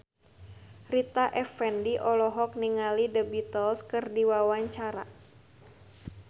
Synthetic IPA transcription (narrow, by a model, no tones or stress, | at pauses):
rit̪aʔɛfɛndiʔɔlɔɦɔk̚niŋalidəbit̪ɔlskɨrdiwawaɲt͡ʃaɾa̰